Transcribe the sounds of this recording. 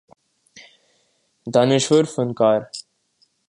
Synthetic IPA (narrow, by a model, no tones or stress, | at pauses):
d̪aːnɪʃʋəɾfənkaːɾ